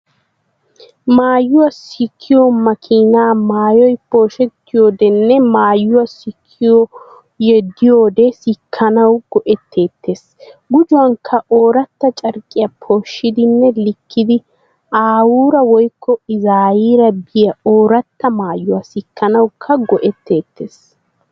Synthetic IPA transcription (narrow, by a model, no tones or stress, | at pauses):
maːjːʊwɐsɪkʰːɪjɔmɐkʰiːnaːmaːjɔjpo̞ːʃɛt̪ːɪjoːd̪ɛnːɛmaːjːʊwɐsɪkʰːɪjɔ | jɛd̪ːɪjo̞ːd̪ɛsɪkʰːɐnɐwɡ̥ɔʔɛt̪ʰːe̞ːt̪ːe̞ːs | ɡʊd͡ʒʊwɐŋkʰːɐʔoːɾɐt̪ːɐt͡ʃʼɐɾkʼːɪjɐpʰo̞ːʃːɪd̪ɪnːɛlɪkʰːɪd̪ɪ | ʔaːwuːɾɐwɔjkʰːɔɪzaːjiːɾɐbɪjɐoːɾɐt̪ːɐmaːjːʊwɐsɪkʰːɐnɐwkʰːɐɡɔʔɛt̪ːe̞ːt̪ʰːeːs